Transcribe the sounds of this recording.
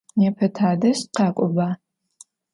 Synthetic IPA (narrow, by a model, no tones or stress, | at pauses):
nɛpʰɐtʰaːdɐʃtqɑːkʷʼɔbaː